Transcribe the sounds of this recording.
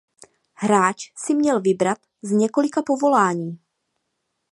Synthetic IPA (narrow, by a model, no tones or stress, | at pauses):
ɦɾaːt͡ʃsɪmɲɛlvɪbɾat̪ | zɲɛko̞lɪkapo̞vo̞laːɲiː